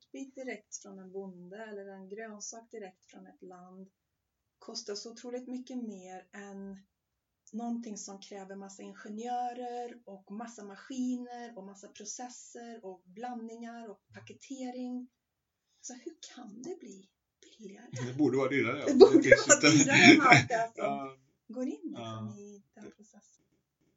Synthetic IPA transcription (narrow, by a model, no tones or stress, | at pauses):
t̪biːt̪̚d̪ɪɾɛkt̪fɾɔnɛnbʊnd̪əɛlːəɾɛnɡɾøːnsɑːk̚d̪ɪɾɛkt̪fɾɔnɛt̪land̪ | kʰɔst̪asɔʊt̪ʰɾuːlɪt̪mʏkːəmeːɾɛn | ɔnt̪ʰɪŋsɔmkʰɾɛːvəɾmasːaɪnɧɛnjœːɾəɾɔkmasːamaɧiːnəɾɔmasːapʰɾʊsɛsəɾɔblanːɪŋaɾɔk̚pʰakət̪ʰeːɾɪŋ | sɔhɵkʰand̪ɛbliː | b̥ɪlːɪaɾəd̪ɛbuːɖəvɑːɾad̪iɾad̪ɛbuːɖəvɑːad̪ɾaad̪ɛfɾɔm | ɡoːɾɪnːnɪd̪̥ɛnpʰɾʊsɛsːən